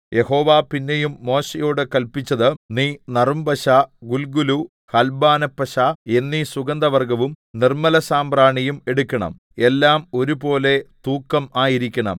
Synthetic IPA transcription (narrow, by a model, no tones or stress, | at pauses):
jʔe̞ho̞ːʋaːpinːe̞jumːo̞ːɕejo̞ːɽɨkɐlpit͡ɕːɐðɨniːnɐrumbɐɕaɡulɡulu | hɐlbaːnɐpːɐɕae̞nːisuɡɐnd̪ɐʋɐrɡɐʋum | nirmɐlɐsaːmpraːɳijume̞ɽukʲːɐɳɐ̰m | e̞lːaːmo̞ɾubo̞ːle̞t̪uːkːɐmaːjiɾikʲːɐɳɐ̰m